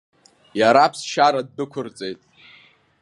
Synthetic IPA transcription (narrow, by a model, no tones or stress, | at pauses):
jaɾapʰsʃaɾadːɨkʷʰʊrt͡sʼejtʼ